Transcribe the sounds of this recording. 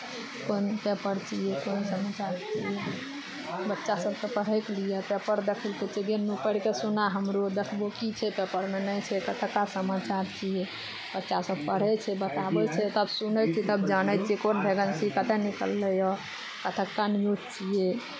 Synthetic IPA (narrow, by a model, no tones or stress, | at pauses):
konpepəɾt͡ʃijekonsəmat͡ʃaɾt͡ʃʰije | bətːʃasəbkepəɽ̤ɛklijepepəɾd̪ekʰəlket͡ʃʰeɡenupəɽkesunaɦəmɾod̪ekʰbokit͡ʃʰɛpepəɾmenəjt͡ʃʰɛkət̪ʰəkːasəmat͡ʃaɾt͡ʃʰiɛ | b̥ətːʃasəb̚pəɽ̤ɛt͡ʃʰɛbət̪abɛt͡ʃʰɛt̪əbsunət͡ʃʰɛt̪əbd͡ʒanət͡ʃʰiɛkonbʱeɡənt͡ʃʰikət̪ɛnikə̰lːɛjɔ | kət̪ʰəkːanijodt͡ʃije